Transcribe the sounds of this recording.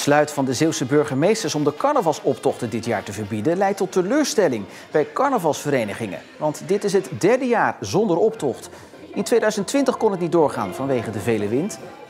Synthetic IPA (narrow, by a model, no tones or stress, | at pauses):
əslœɥtfɑndəzɪwˠsəbɵɹχəmejstəɹsɔmdəkɑɹnəvɑlˠsɔptɔχtəndɪtjaːɹtəvəɹbidəlɛjtːɔtːəløːɹstɛlɪŋ | b̥ɛjkɑɹnəvɑlˠsfəɾejnəχɪŋə̰ | ʋɑntdɪtɪs̬ɦətdɛɹdəjaːɹzɔndəɹɔptɔχt | ɪntʋejdœɥzəntʋɪntəχkɔnɦətnit̚dʊːɹχa̰ːnvɑnʋejχədəvejləʋɪnt